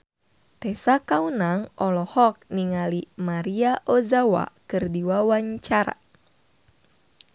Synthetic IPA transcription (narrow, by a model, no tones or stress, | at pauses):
t̪ɛsakaunaŋʔɔlɔhɔk̚niŋalimaɾiaʔozawa̰kɨrdiwawaɲt͡ʃaɾa̰